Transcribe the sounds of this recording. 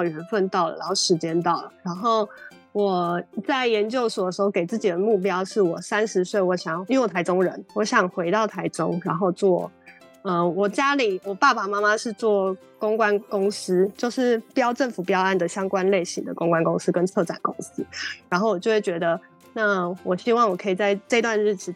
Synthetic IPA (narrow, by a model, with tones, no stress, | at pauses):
ɑ˥˩ʊɥɛ˨˧˥nfə˥˧nt̪ɑ˥˩ʊlə̰˨˩ɻa˧˦nxo˥˩ʂɻ̩˧˥t͡ɕjɛ˥nt̪ɑ˥˩ʊlə˩ɻa˨˧˥nxo˥˩ʊ | wɔ˨˩t͡sa˥˩ɪjɛ˧˥nt͡ɕjo˥˩ʊsu˨˩d̪ə˩ʂɻ̩˧˥o˥˧˩ke˨˩ɪt͡sɹ̩˥˩t͡ɕi˨˩d̪ə˩mu˥˩p̬jɑ˥ʊʂɻ̩˥˩wɔ˨˩sa˦˥nʂɻ̩˧˥swe˥˩ɪwɔ˨˧˥ɕjɑ˨˩ŋ˥˧˨wt̪ʰa˥ɪʊ˥ŋɻə̰˧˦nwɔ˨˥˦ɕjɑ˨˩ŋxwe˧˥ɪt̪ɑ˥˩ʊt̪ʰa˧˥ɪʈ͡ʂo̰˥ŋɻa˧˦nxo˥˧ʊt͡swɔ˥˩ | ə˧wɔ˨˩t͡ɕja˥li˨˩wɔ˨˩pa˥˩ba˨˩ma˥ma˧˦ʂɻ̩˥˧t͡swɔ˥˩ | kʊ˥ŋkwa˥˦nkʊ˥ŋs̩˥t͡ɕjo˥˧ʊʂɻ̩˥˩pjɑ˥ʊʈ͡ʂə˥˩nfu˨˩pjɑ˥ʊa˥˩nd̪ə˩ɕjɑ˥ŋkwa˦nle˥˩ɪɕḭ˧˦ŋd̪ə̰˨kʊ˥ŋkwa˥nkʊ˥ŋsɹ̩˥kə˧˦nt͡sʰɤ˥˩ʈ͡ʂa̰˨˩nkʊ˥ŋs̩˥ɻa˧˥nxo˥˩ʊwɔ˨˩t͡ɕjo˥˧ʊwe˥˩t͡ɕɥɛ˧˥d̪ə˧ | na˥˨wɔ˨˩ɕi˥wɑ˥˩ŋwɔ˨˩kʰɤ˧˥i˨˩t͡sa˥˧ɪʈ͡ʂɤ˥˧i˧t̪wa˥˧nɻ̩˥˩t͡ɕ̩ʰ˧˩